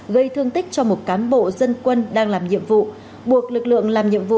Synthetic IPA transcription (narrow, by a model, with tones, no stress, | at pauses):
ɣə˧jt̪ʰɨ˧əŋt̪ï˦˥k̟̚t͡ɕɔ˧mo˨˩t̚kaː˨˦nɓo̰˧˨zə˧nkwə˧nɗaː˧ŋlaː˨˩mɲḭ˧˨əmvṵ˧˨ | ɓu˨˩ək̚lɨ˨˩k̚lɨ̰˧˨əŋlaː˨˩mɲḭ˧˨əmvṵ˧˨